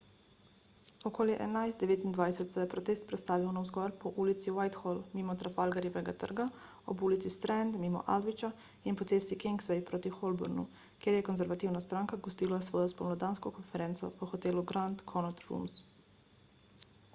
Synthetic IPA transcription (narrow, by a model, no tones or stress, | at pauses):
ɔkoːljɛʔɛ̰najzd̪d̪ɛʋeːt̪ind̪ʋajsɛt̪sɛjɛpɾɔt̪eːst̪̚pɾɛt̪st̪aːʋiwnawzɡɔɾpɔʔuːlit̪siwajt̪xɔlmimɔt̪ɾafalɡaɾjɛʋɛɡat̪ə̰ɾɡa | ɔ̰buːlit̪sist̪ɾɛnd̪mimɔ̰ʔa̰lʋit͡ʃa | inpɔt̪seːsikɛŋksʋɛjpɾoːt̪ixɔlbɔ̰ɾnṵ | kjeːɾjɛkɔnzɛɾʋat̪iwnast̪ɾaːŋkaɡɔst̪iːlasʋɔːjɔspɔmnɔd̪aːnskɔkɔnfɛɾɛːnt̪sɔ̰pɔxɔt̪eːluɡɾant̪kʰɔnɔt̪ɾṵms